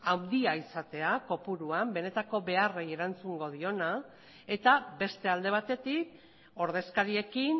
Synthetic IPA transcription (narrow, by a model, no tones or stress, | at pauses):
awnd̪iaisat̪e̞ako̞puɾuambe̞ne̞t̪ako̞βe̞are̞je̞ɾant͡suŋɡo̞ðio̞na | e̞t̪abe̞st̪e̞ald̪e̞β̞at̪e̞t̪ik̚ | o̞ɾðe̞skaɾie̞kin